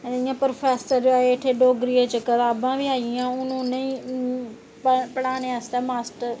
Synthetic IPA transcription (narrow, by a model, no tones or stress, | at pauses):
ɪjãːpɾopʰɛːsəɾd͡ʒoaːeɪʈʰeːɖoːɡɾieːt͡ʃəkət̪aːbãːʋiːaːiãːʊnũːnəĩː | ppəɽaːneaːst̪aːmaːsʈəɾ